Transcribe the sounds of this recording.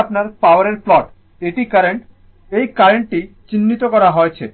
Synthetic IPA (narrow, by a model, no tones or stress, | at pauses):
pnaɾpawaɾeɾflɔʈ | eʈikaɾeɳʈ | ejkaɾeɳʈʈit͡ɕinːit̪okɔɾaɦoet͡ɕʰe